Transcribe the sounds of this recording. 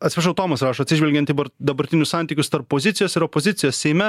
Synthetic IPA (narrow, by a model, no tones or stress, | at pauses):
ɐt̪ʲsʲɛʃɐʊt̪oːmɐsɾɑːʃoːt̪ʲsʲɪʒʲʋʲɛlʲɡʲɛnt̪ibɐɾd̪ɐbɐɾʲt̪ʲɪnʲʊssɑːˑnʲt̪ʲiːkʲʊst̪ɐɾpːoːzʲɪt̪sʲɪjoːsɪɾoːpoːzʲɪt̪sʲɪjoːssʲɛɪmʲɛ